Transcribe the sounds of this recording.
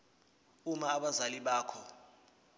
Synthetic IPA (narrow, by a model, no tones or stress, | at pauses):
umaːɓazaliɓaːkʰɔ